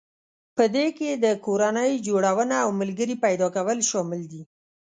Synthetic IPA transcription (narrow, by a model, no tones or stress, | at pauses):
pəd̪eked̪əkoɾanəjd͡ʒoɽawənaːwməlɡəɾipajd̪ɑkawəlʃɑmɪld̪i